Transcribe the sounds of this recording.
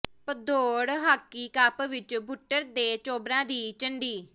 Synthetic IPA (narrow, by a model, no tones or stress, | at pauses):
pəd̪oːɽɦaːkːiːkaːpʋɪt͡ʃbʱʊʈːəɾd̪eːt͡ʃoːbɾãːd̪iːt͡ʃəɳɖiː